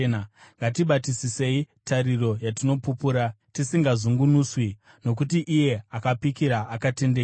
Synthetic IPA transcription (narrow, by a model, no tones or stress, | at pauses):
naŋɡatiɓatisise̞itʰaɾiro̞jatino̞pupuːɾa | tisiŋɡazuŋɡunuːswi | no̞kutiʔːje̞akapikiɾaʔakate̞nde